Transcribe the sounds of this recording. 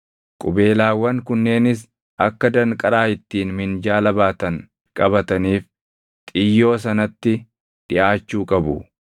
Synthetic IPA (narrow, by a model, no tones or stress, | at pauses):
kʼʊbe̞ːlaːwːɐŋkʊnːe̞ːnɪs̬ | ɐkːɐd̪ɐŋkʼɐɾaːhɪt̪ːiːnmɪnd͡ʒaːlɐbaːt̪ɐŋ | kʼɐbɐt̪ɐniːf | t̪ʼɪjːo̞ːs̬ɐnɐt̪ːɪ | d̪̥ɪʔaːt͡ʃːuːkʼɐbʊ̰